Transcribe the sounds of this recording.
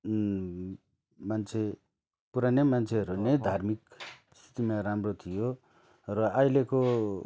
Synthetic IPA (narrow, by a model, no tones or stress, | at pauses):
mant͡sʰe | puɾanemant͡sʰeʌɾunʌjd̪ʱarmikst̪ʰi̥t̪imaɾamrot̪ʰijo | rʌajleko